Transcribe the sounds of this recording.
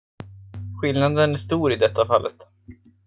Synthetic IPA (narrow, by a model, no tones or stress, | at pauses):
ɧɪlnad̪ənæʂt̪uːɾɪd̪ɛt̪ʰːafalːʔə̰t̪